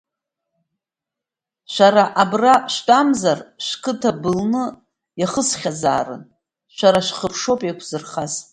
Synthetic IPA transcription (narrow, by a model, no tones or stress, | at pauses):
ʃʷaɾaʔabraʃtʼamzarʃkʰʼɨtʰabɨlnɨ | jaχəsχʲaza̰ːrɨ̰n | ʃʷaɾaʃχəpʰʂo̞pʼakʷʰz̥ɨrχaz